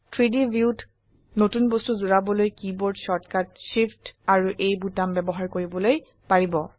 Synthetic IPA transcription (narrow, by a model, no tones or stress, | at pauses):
tʰɹidibiut | notunbostuzuɹabɔlojkibɔɹdsɔɹtkat̚ʃiptaɹuʔejbutambɛbɔɦaɹkoɹibɔloj | paɹibɔ